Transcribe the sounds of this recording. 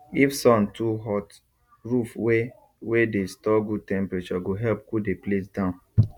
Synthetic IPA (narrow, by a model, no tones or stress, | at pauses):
ifsɔ̃ntʰuɦɔt | ɹufwe | wedestɔɡud̚tɛ̃mpɹet͡ʃɔɡoɦɛlp̚kudeplesdãʊ̃n